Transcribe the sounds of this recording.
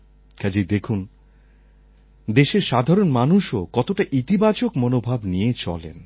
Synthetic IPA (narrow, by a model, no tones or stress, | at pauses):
kʰad͡ʑid̪ekʰun | d̪eʃeɾʃad̪ʱaɾonmanuʃokɔt̪oʈaʔit̪ibat͡ɕokmonobʱabnijet͡ɕɔ̰lḛn